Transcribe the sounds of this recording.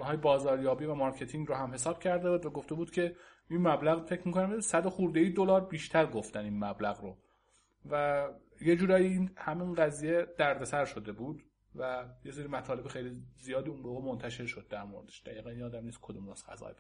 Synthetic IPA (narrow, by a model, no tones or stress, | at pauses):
hɒːjebɒːzɒːɾjɒːbiːvæmɒɾcʰe̞t̪ʰiŋɡɾohæmhe̞sɒːb̥̚cʰæɾd̪ebuːd̪væɡo̞ft̪ebuːd̪̥cʰe̞ | inmæblæɣfe̞cʰmiːkʰonæmsæd̪oxuɾd̪ejiːd̪olɒːɾbiːʃt̪ʰæɾɡo̞ft̪æninmæblæɣɾo | væ | jed͡ʒuːɾɒːjiinhæminɢæziːjed̪̥æɾd̪e̞sæɾʃo̞d̪e̞buːd̪ | væjeseɾimæt̪ʰɒːle̞bixejlizijɒːd̪iːunboːɣemont̪ʰæʃe̞ɾʃod̪̚ːæɾmoɾed̪eʃd̪̥æjiːɣæninɒːd̪æmniːskʰod̪umnosxæ̰zɒ̰ːjb